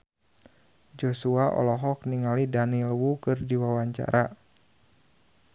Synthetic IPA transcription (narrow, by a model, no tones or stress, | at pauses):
d͡ʒɔsuaʔɔ̰lɔɦɔk̚niŋalidanilwukɨrdiwawaɲt͡ʃa̰ɾʔa